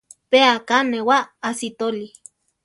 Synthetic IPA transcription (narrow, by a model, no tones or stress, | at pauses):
peakanewaːsit̪oli